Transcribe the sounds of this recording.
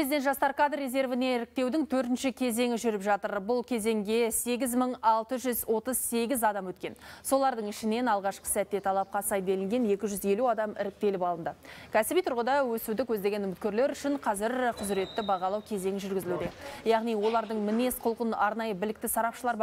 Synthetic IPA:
ɾezid̪enʒɑst̪ɑɾkad̪ɾʲe̞ze̞ɾvɪne̞ɪɾɪk̚t̪e̞wd̪ɪŋt̪ʰɵɾt̪ɪnʃɪkʲʰe̞ze̞ŋʲɪʒʏɾɪpʒɑt̪əɾbʊlˠkʲʰe̞ze̞ŋɡʲe̞se̞ɡʲɪzməɴɑlˠt̪əʒʏzwo̞t̪əzse̞ɡʲɪzɑd̪ɑmwɵt̪kʲe̞̰nso̞lˠɑɾd̪əɴɪʃɪne̞nɑlˠʁɑʃqə̥sæt̪ːe̞t̪ʰɑlˠɑp̚qɑsɑjd̪e̞lɪŋɡʲe̞ne̞kʲɪʒʏze̞luɑd̪ɑmɪ̰ɾɪk̚t̪e̞lɪpɑlˠənd̪əkʲʰæsɪbijt̪ʰʊɾʁəd̪ɑwɵsud̪ɪkwɵzd̪e̞ɡʲe̞nʏmɪt̪kʲe̞ɾle̞ɾʏʃɪɴqʰɑzɪɾqʰʊzɾe̞t̪ːɪbɑʁɑlˠɑwkʲʰe̞ze̞ŋʲɪʒʏɾɡʲɪzɪlud̪e̞jɑʁnijwo̞lˠɑɾd̪əɴmɪne̞sqʰʊlˠəqənɑɾnɑjəbɪlɪk̚t̪ɪsɑɾɑpʃəlˠɑɾb

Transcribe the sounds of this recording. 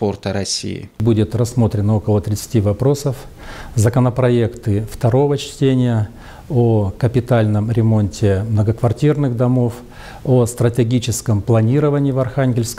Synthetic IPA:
po̞rt̪əɾɐsʲḭjɪ̰budʲɪt̪rɐsːmo̞t̪ɾʲɪnəo̞kəlˠət̪ɾʲɪt̪sɨ̥tʲivɐpɾo̞səf | zəkənəpɾɐekt̪ɨft̪ɐɾo̞vət͡ɕtʲenʲɪjə | okəpʲɪt̪alʲnəmɾʲɪmo̞nʲtʲɪmnəɡəkvɐrtʲirnɨɣd̪ɐmo̞f | ost̪ɾətʲɪɡʲit͡ɕɪskəmplˠɐnʲiɾəvənʲɪːvɐrxanʲɡʲɪlʲskə

